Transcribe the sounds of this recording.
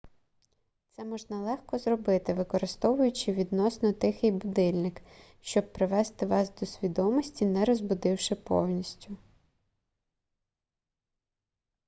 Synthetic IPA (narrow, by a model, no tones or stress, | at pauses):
t̪sɛmɔʒnɐlˠɛxkɔzrɔbɪt̪ɪʋɪkɔɾɪst̪ɔʋʊjʊt͡ʃɪʋʲid̪nɔsnɔt̪ɪxɪjbʊd̪ɪlʲnɪk | ʃt͡ʃɔb̚pɾɪʋɛst̪ɪʋɑsd̪ɔsʲʋʲid̪ɔmɔsʲtʲinɛɾɔzbʊd̪ɪwʃɪpɔ̰wnʲisʲtʲʊ